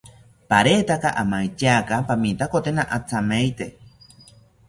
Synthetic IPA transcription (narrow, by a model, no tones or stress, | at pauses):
paɾet̪akaʔamajt͡ʃakapamĩt̪akot̪enaʔat͡samejt̪e